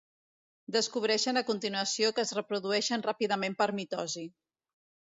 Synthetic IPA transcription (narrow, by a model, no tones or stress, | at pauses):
d̪əskuβ̞ɾɛʃənəkunt̪inuəsiokəːzrəpɾuðuɛʃənrapiðəmempəɾmit̪ɔzi